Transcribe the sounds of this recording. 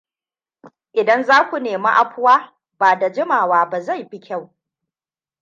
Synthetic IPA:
ʔɪ˨dɐ˦nzaː˦kʷu˨neː˨ma̰˦ʔa˦ɸʊ˦waː˦ | baː˨da˨d͡ʒɪ˦maː˨waː˦ba˨za˦˨jɸi˦kʲʰa˦˨w

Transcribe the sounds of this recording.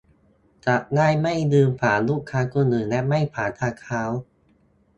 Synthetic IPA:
t͡ɕa˨˩ʔŋaː˥˩jma˥˩jdɯː˧mpʰaː˩˦luː˥˩kʰːaː˦˥kuː˧nɯː˨˩lɛ˦˥ma˥˩jpʰaː˩˦t̪ʰaː˧kʰaː˦˥w

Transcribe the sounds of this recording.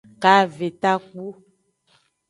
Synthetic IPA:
ka˨˦ve˨t̪a˦k͡pu˦

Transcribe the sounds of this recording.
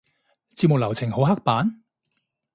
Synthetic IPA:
t͡siː˧p̚mʊ˨k̚lɐ˨˩wt͡sʰɪ˨˩ŋho˨˥ɦa˥k̚paː˨˥n

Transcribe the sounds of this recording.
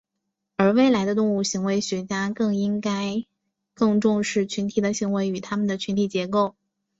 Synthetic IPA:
ə˞˧˥we˥˩ɪla˧˥ɪd̪ə˧t̪ʊ˥˧ŋu˥˩ɕi˧˥ŋwe˧˥ɪɕɥɛ˧˥t͡ɕja˥kɤ˥˩ŋi˥ŋka˥ɪ | kɤ˥˧ŋʈ͡ʂʊ˥˧ŋʂɻ̩˥˩t͡ɕʰy˧˥nt̪ʰi˨˩d̪ə˦ɕi˧˥ŋwe˧˥ɪy˨˩t̪ʰa˥mə˨nd̪ə˩t͡ɕʰy˧˥nt̪ʰi˨˩t͡ɕjɛ˧˥ko˥˩ʊ

